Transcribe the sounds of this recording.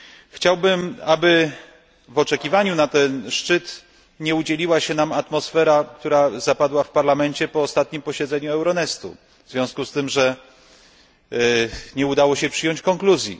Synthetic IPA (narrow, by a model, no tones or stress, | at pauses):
xt͡ɕawbɘmabɘ | vɔt͡ʂɛkʲivaɲunat̪ɛnʂt͡ʂɘt̪ | ɲɛud͡ʑɛlʲiwaɕɛnamat̪mɔsfɛɾakt̪uɾazapad̪wafpaɾlamɛɲt͡ɕɛpɔːst̪at̪̚ɲimpɔɕɛd̪zɛɲuɛwɾɔnɛst̪ṵ | vzvʲjɔ̃w̃skust̪ɘmʐɛ | ɲɛud̪awɔɕɛpʂɘjɔɲt͡ɕkɔŋkluzʲjḭ